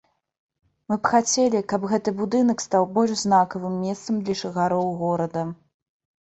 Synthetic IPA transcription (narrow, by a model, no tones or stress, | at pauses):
mɨpxat͡sʲɛlʲikɐbɣɛt̪ɨbud̪ɨnɐkst̪awbɔlʲʐznakɐvɨmːʲɛst̪sɐmd̪lʲɐʂɨɣaɾɔwɣɔɾɐd̪ɐ